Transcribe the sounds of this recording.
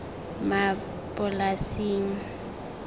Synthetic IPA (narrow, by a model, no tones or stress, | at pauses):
ma | pʼʊlasiːŋ̩